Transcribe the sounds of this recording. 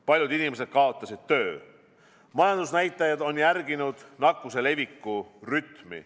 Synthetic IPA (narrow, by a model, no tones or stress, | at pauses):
pɑlʲjud̪inimes̬e̞d̪̥̚kɑo̞t̪ːˑɑsid̪̥̚t̪ø̞ː | mɑjɑnd̪̥usnæjt̪ːˑɑjɑd̪o̞njærɡinud̪̥nɑkːˑuse̞le̞vikːuryt̪mḭ